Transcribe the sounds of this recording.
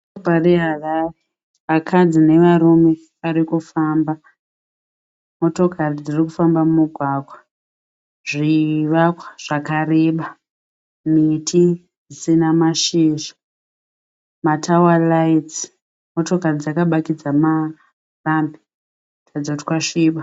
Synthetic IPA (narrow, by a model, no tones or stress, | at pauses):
pariɦarare | ʋakʰad͡zine̞ʋaɾume̞ | aɾikufaːmba | mo̞to̞kʰarid͡zirikufambamumuɡʱwaːɡʱwa | ʐiʋakwḁʐ̥akareːɓa | mitʰi | d͡zisinamaʃiːʒḁ | matʰawalait͡si | mo̞to̞karid͡zakaɓakid͡zama | rambi̥ | tʰad͡zoti̥kwaʂiːɓa